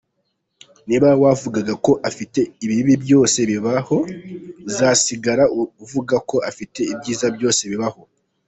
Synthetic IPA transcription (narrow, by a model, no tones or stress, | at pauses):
niβawavuɡaɡako̞ʔafite̞iβiβibjo̞ːse̞βiβaho̞zaːsiɡaɾauvuɡako̞afite̞ibɟiːzabjo̞ːse̞βiβaho̞